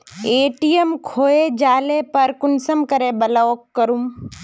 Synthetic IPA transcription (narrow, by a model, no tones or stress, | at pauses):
eːʈijəmkʰoːed͡ʒaːlepɐɾkʊnsəmkɐɾebɐlaokːɐɾum